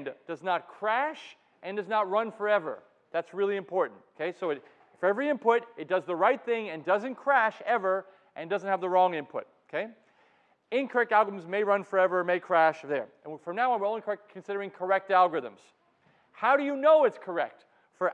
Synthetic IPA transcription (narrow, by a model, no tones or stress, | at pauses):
nd̥ʌznət̚kʰɹ̥æʃ | ʔɨ̃ndʌznət̚ɹʌ̃nfə˞ɛvə̰˞ | ðætsɹɪlˠiɨ̃mpʰɔɹʔn̩tokʰeɪsoʊɨɾ | fə˞ɛvɹiɪ̃mpʊɾɨt̚d̥ʌzðəɹaɪt̪̚θɪ̃ŋɨ̃ndʌzɨ̃nkʰɹ̥æʃɛvə˞ | ʔɨ̃ndʌzə̃nt̚hɨvðəɹɔ̃ŋɪ̃mpʰʊ̰t̚oʊkʰeɪ | ɪ̃nkʰə˞ɛk̚tælˠɡəɹɨ̃mzmeɪɹʌ̃nfə˞ɛvə˞meɪkʰɹ̥æʃðə̃˞ | fɹʌ̃mnaʊə̃wɨɹõʊ̃nlikʰɛkʰɨ̃n̩sɪɾə˞ɪ̃ŋkʰə˞ɛk̚tælˠɡə˞ɨðə̰̃mz̥ | haʊɾɨjɨnoʊɨtskʰə˞ɛk̚t | fə˞